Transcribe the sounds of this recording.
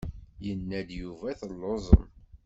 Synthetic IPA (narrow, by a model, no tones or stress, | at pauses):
jənːæd̪juvæθəlːozˤə̰n